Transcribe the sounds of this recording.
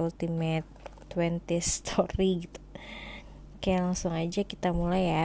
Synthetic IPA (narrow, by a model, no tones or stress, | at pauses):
ult̪imɛt̪ː | wɛnt̪ist̪ʰɔɾiɡit̪u̥ | kajalaŋsʊŋad͡ʒakit̪amulaja